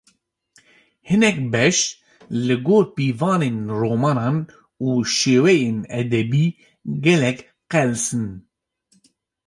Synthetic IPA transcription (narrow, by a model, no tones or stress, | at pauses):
hɨnɛk̚bɛʃ | lɨɡoːɾpiːvɑːneːnroːmɑːnɑːn | uːʃeːwɛjeːnɛd̪ɛbiː | ɡɛlɛk | qɛlsɨn